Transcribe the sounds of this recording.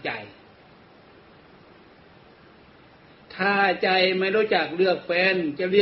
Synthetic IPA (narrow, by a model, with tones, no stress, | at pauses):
t͡ɕa˧˩j | t̪ʰaː˧˩t͡ɕa˧jmaː˧˥doː˧˥˩jt͡ɕaː˨˩k̚lɯ˥˩ək̚fɛː˧˥nt͡ɕa˧˨lɯ˥˩